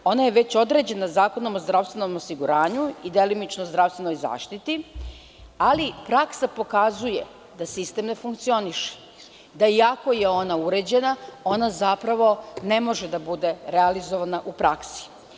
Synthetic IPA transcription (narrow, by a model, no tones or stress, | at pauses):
o̞najeʋe̞t͡ɕo̞d̪ɾe̞d͡ʑe̞nazaːko̞no̞mozd̪ɾaʋst̪ʋe̞no̞mo̞siɡuɾaːɲuid̪e̞limit͡ʃnozd̪ɾast̪ʋe̞no̞jza̰ːʃt̪it̪i | alipɾaksapo̞kazuje̞̰ | d̪asist̪e̞mne̞fuŋkt̪sio̞niʃe̥ | d̪aiako̞je̞o̞nauɾed͡ʑe̞nao̞nazapɾaʋo̞ne̞mo̞ʒed̪abud̪e̞ɾealizoʋanaʔupɾaksi̥